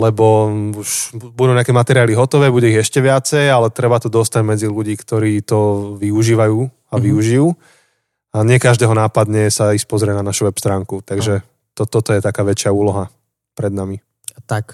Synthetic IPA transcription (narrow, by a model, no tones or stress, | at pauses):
lɛbɔuʃbud̪uːɲakɛmat̪ɛɾiɪaːliɦɔt̪ɔʋɛːbuɟɛiɣɛʃcɛʋɪat͡sɛjalɛt̪ɾɛbat̪ɔd̪ɔst̪aɟmɛd͡ziluɟiːkt̪ɔɾiːt̪ɔʋiuʒiːʋajuː | aʋiuʒijuː | aɲɪɛkaʒd̪ɛːɦɔnaːpad̪ɲɛsaispɔzɾɪɛnanaʃuʋɛpst̪ɾaːŋkut̪aɡʒɛ | t̪ɔt̪ɔt̪ɔjɛt̪akaːʋɛt͡ʃɪauːlɔɦa | pɾɛd̪nami | t̪ak